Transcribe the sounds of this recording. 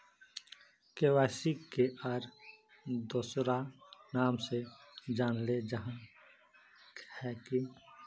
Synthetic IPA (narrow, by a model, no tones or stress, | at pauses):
keːwaːsikeʔaɾ | d̪oːsɾanaːmsed͡ʒaːnled͡ʒəɦã | khɛki